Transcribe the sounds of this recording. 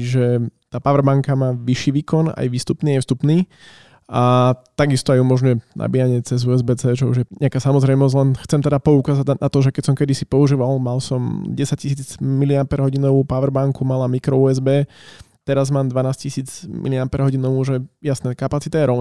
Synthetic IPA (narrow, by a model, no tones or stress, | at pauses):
ʒɛt̪aːpaʋɾbaŋkamaːʋiʃiːʋiːkɔna̰jʋiːst̪upniːajfst̪upniː | at̪aɡist̪ɔajumɔʒɲujɛna̰biːjaɲɪɛt͡sɛzuːɛzbɛːt͡sɛːt͡ʃɔṵʒjɛɲʔɛakaːsamɔzɾɛjmɔzɟlɛnxt͡sɛmt̪ɛd̪apɔukaːzaɟnat̪ɔʒɛkɛcsɔmkɛd̪isi̥pɔuʒiːʋalmalsɔmɟɛsaccis̬iːd͡zmiliapɛɾɦɔɟinɔʋuːpaʋɾbaŋkumalamikɾɔuːɛzbɛː | t̪ɛɾazmaːmd̪ʋanaːscisiːd͡zmḭliapɛɾɦɔɟinɔʋuːʒɛjasnɛkapat͡sit̪ajɛɾɔʊn